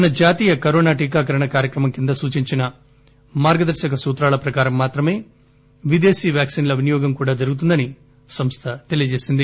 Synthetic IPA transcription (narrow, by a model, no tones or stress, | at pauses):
ɐnɐd͡ʒaːt̪iːjɐkɐɾoːnaːʈiːkaːk̬ɐɾɐɳɐkaːɾjɐkɾɐmɐmkind̪ɐsuːt͡ʃiɲt͡ʃinɐ | maːɾɡɐd̪ɐɾʃɐkɐsuːt̪ɾaːlɐpɾɐkaːɾɐmːaːt̪ɾɐme̞ː | ʋid̪e̞ːsiːʋjaːksiːnlɐʋinijɔːɡɐmkuːɽaːd͡ʒɐɾɡut̪̬und̪ɐni | sɐmst̪ʰɐt̪e̞lijɐd͡ʒe̞ːsind̪i